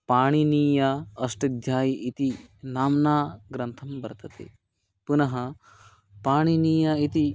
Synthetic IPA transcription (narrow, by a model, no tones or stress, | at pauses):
paːɽ̃iniːjaɐsʈɐd̪ʱjaːjiʔit̪inaːmnaːɡɾɐ̃nt̪ʰɐmbɐɾt̪ɐt̪ḛː | punɐɦɐ | paːɳ̃iniːjait̪i